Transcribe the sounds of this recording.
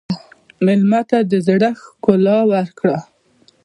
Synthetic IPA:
mɪlmat̪ad̪əzɽaxkʊlɑwaɾkɽa

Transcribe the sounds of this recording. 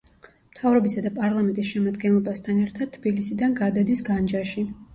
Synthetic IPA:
mt̪ʰavɾɔbisad̪apʼaɾlˠamɛnt̪ʼisʃɛmad̪ɡɛnlˠɔbast̪ʰanɛɾt̪ʰad̪̚t̪ʰːb̥ilisid̪anɡad̪ad̪isɡand͡ʒaʃi

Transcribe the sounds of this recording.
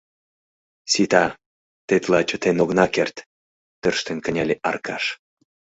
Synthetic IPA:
sit̪ɑ | t̪et̪lɑt͡ɕət̪enoɣnɑkert̪ː | ərʃt̪enkə̆nʲɑlʲeʔɑ̰rkɑ̰ʃ

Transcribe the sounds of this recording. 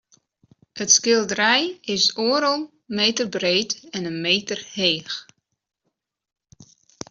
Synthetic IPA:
ətskɪlˠdərɛjɪsoːəɾəlˠ | meːtərbreːtɛnənmeːtərheːx

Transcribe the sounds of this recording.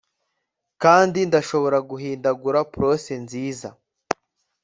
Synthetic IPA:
kaːndindaʃo̞βo̞ɾaɡuɦiːndaɡuɾapɾo̞senziːza

